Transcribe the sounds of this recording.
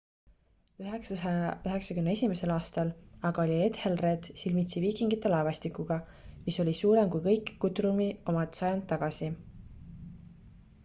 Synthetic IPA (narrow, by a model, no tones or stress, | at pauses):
yɦeksɑɑɑyɦe̞ksɑkymnee̞sʲimese̞lɑːst̪ɑlɑɡ̥ɑo̞lʲie̞t̪helre̞d̪̥silmit̪siviːkˑiŋɡ̥it̪ːˑe̞lɑevɑsʲt̪ikːˑuɡ̥ɑ | miso̞lʲisuːɾe̞mkujkɤ̞jkːut̪ɾumio̞mɑt̪sɑjɑnd̪̚ːɑɡ̥ɑsi